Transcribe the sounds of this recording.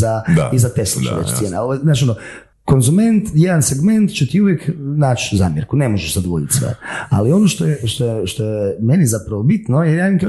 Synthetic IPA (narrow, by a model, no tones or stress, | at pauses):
aizat̪eslo̰t͡ʃɛ̰ɾḛt͡ʃt̪jeːnaoʋoznaːt͡ʃiono | ko̞nzume̞nt̪jed̪anseɡme̞nt̪t͡ʃet̪iuʋjeknaːt͡ʃza̰ːmjeɾkunemoʒeʃzad̪oʋod̪it̪sʋḛɾa̰lio̞noʃt̪ojeʃt̪o̞jeʃt̪ojɛmenizapɾaʋobit̪nojeɾjak